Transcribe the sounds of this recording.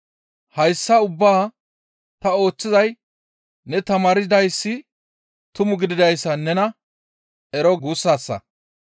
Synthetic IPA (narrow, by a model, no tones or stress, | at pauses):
hɐjsːɐʊbːaː | t̪ɐo̞ːt͡sːɪzɐj | nɛt̪ɐmaːɾɪd̪ɐjsːɪ | t̪ʊmʊɡɪd̪ɪd̪ɐjsːɐnɛnɐ | ʔɛɾɔɡuːsːaːsːɐ̰